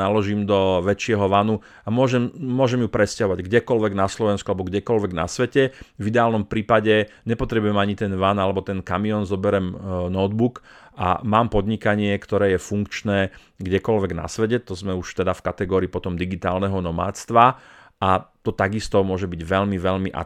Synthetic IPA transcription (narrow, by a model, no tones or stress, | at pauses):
alɔʒiːmd̪ɔʋɛt͡ʃɪɛɦɔʋanu | amʊɔʒɛmmːʊɔʒɛmjupɾɛscaɦɔʋaɟɡɟɛkɔlʋɛɡnaslɔʋɛnskualɛbɔɡɟɛkɔlʋɛɡna̰sʋɛcɛvid̪ɛaːlnɔmpɾiːpaɟɛɲɛpɔt̪ɾɛbujɛmaɲit̪ɛnʋanalɛbɔt̪ɛnkamiɔnzɔbɛɾɛmnɔd̪bukʔa̰maːmpɔd̪ɲikaɲɪɛkt̪ɔɾɛːjɛfuŋkt͡ʃnɛː | ɡɟɛkɔlʋɛɡna̰sʋɛcɛt̪ɔzmɛuʃt̪ɛd̪afkat̪ɛɡɔːɾiːpɔt̪ɔmd̪iɡit̪a̰ːlnɛɦɔnɔma̰ːt͡st̪ʋa | ʔat̪ɔt̪aɡist̪ɔmʊɔʒɛbiɟʋɛʎmiʋɛʎmiʔa̰